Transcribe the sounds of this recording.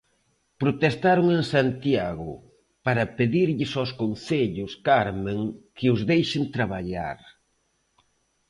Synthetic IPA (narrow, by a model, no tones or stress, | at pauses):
pɾot̪est̪aɾʊŋeŋsant̪jaɣʊ̰ | paɾɐpeðiɾʎɪsawskonθeʎʊskaɾmẽŋkɪʊzðejʃɪnt̪ɾaβ̞aʎa̰ɾ